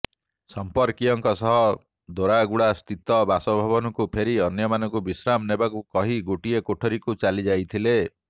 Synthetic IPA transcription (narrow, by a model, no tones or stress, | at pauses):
sɔmpɔɾkiɔŋkɔsɔɦɔ | d̪oɾaɡuɽast̪ʰit̪ɔbasɔbʱabɔnɔŋkupʰeɾiɔnjɔmanɔŋkubisɾamnebakukɔɦiɡoʈiekoʈʰɔɾikut͡ʃalid͡ʒajt̪ʰile